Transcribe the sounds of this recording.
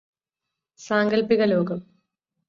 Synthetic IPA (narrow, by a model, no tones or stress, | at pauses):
saːŋɡɐlpiɣɐloːɣɐm